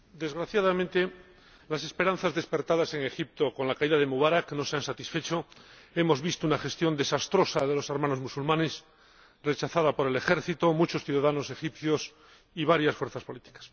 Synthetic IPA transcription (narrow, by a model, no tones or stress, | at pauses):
d̪e̞zɣɾaθjaðamẽnt̪e̞ | lase̞spe̞ɾan̟θazðe̞spe̞ɾt̪aðase̞ŋe̞xip̚t̪o̞kõ̞nlakaiðaðemuβaɾakno̞seansat̪isfe̞t͡ʃo̞ | e̞mo̞zβist̪ounaxe̞st̪jo̞nd̪e̞sast̪ɾo̞saðe̞lo̞saɾmãno̞zmusulmãne̞s | re̞t͡ʃaθaðapo̞ɾe̞le̞xe̞ɾθit̪o̞mut͡ʃo̞sθjuðaðano̞se̞xipθjos | iβ̞aɾjasfweɾθaspo̞lit̪i̥kḁs